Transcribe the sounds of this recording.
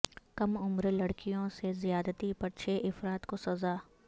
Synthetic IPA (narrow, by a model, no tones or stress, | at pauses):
kɐmʊmɾlɐɽkijõsezɪjaːd̪t̪ipɐʈt͡ʃʃʰeʔɪfɾaːt̪kosɐzaː